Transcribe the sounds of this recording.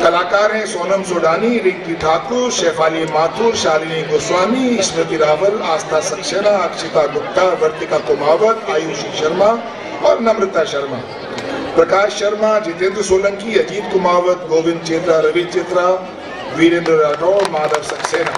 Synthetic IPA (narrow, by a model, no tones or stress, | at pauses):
kɐlaːkaːɾɦɛ̃ːsoːnɐmsoːɖaːniɾĩkt̪iʈʰaːk̪uːɾʃeːfaːliemaːt̪ʰuːɾʃaːɾiːnĩɡoːswaːniɪsɾɐt̪iɾaːʋəlaːst̪aːsɐkʃeːnaɐkʃɪt̪aːɡʊkt̪aːɾʋɐɾt̪ikakʊmaːʋət̪aːjuːʃiʃɐɾma | ɔ̰ːɾnɐmɾɪt̪aʃɐɾmaː | pɾɐkaːʃːɐɾmad͡ʑeːt̪ẽːnd̪ɾsoːlə̃ŋkiɐd͡ʒiːd̪kʊmaːʋət̪boːʋɪ̃nd̪̚t͡ʃeːt̪ɾaɾɐʋiːd̪t͡ʃeːt̪ɾa | ʋiːɾẽːnd̪ɾɾaːʈɔːɾmaːd̪ɐɾsɐkseːnaː